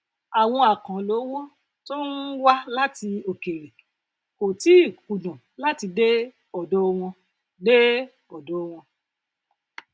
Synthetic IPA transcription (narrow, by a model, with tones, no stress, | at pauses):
a˨w̃ɔ̃˧a˨kã˨lo˨˦wɔ̃˦ | to˦n̩˦wa˦la˦ti˧o˨ke˨ɾe˨ | ko˨ti˨˦i˦˨ku˨dã˨ | la˦ti˧de˦ | ɔ˨dɔ˨˦˧w̃ɔ̃˧ | de˦ | ɔ˨dɔ˨˦˧w̃ɔ̃˧